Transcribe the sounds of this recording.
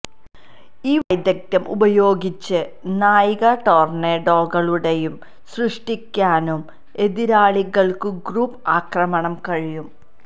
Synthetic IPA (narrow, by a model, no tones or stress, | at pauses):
iːʋɐjd̪jɐk̚t̪jɐmʔṵbɐjo̞ːɡit͡ɕːɨ | naːjiɣɐʈo̞ːrneːɖo̞ːɣɐɭuɽejum | srɨʂʈikʲːaːnum | e̞ðiɾaːɭiɣɐɭkɨɡruːpaːkrɐmɐɳɐmkɐɻijum